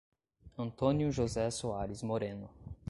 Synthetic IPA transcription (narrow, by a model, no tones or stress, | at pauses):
ɐ̃nt̪õnjʊʒozɛsoaɾɪzmoɾẽnʊ